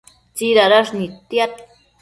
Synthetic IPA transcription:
t͡siɾaɾaʂnit̪jat̪

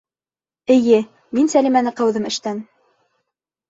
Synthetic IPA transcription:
ɘ̆jɘ | minsælimænɘqɑwðɘmɘ̆ʃt̪æn

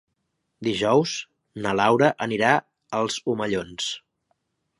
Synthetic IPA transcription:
d̪iʒɔwz | nəlawɾəʔəniɾa | əlˠzuməʎons

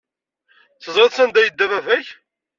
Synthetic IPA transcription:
θəzˤɾeðˤsænd̪æjəd̪ːævævæç

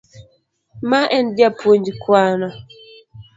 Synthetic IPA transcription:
maʔɛndjapwond͡ʒikwanɔ

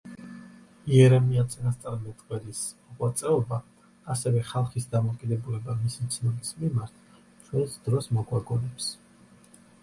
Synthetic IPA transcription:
iɛɾɛmiat̪sʼinast̪sʼaɾmɛt̪ʼqʼwɛlismɔʁwat̪sʼɛɔbaː | sɛvɛχalˠχisd̪amɔkʼid̪ɛbulɛbamisit̪sʰnɔbismimaɾt̪ʰ | t͡ʃʰwɛnsd̪̥ɾɔsmɔɡwaɡɔnɛps

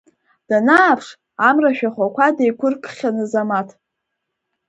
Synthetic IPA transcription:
d̥anaːpʰʂ | amraʃᶣaχʷakʷʰadejkʷʰʊrkʰχʲanɨzamatʰ

